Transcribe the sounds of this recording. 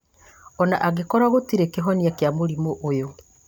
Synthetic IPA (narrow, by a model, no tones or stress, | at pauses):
ɔnaʔaɣekɔɾaɣotiɾekeɦɔniakjamoɾimoʔojo